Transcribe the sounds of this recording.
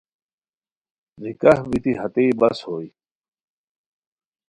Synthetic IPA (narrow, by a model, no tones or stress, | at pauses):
nikahbit̪iɦɐt̪eibɐshoːi